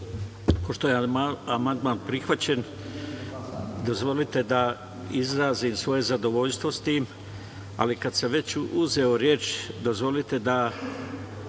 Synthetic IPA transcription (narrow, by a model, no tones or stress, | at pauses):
po̞ʃt̪ojeamand̪maːnpɾixʋat͡ɕe̞n | d̪o̞zʋo̞lit̪e̞d̪a | izɾaːziːmsʋo̞je̞zad̪o̞ʋo̞ʎst̪ʋost̪iːm | a̰likad̪samʋe̞t͡ɕuze̞o̞ɾje̞ːt͡ʃd̪o̞zʋo̞lit̪e̞d̪a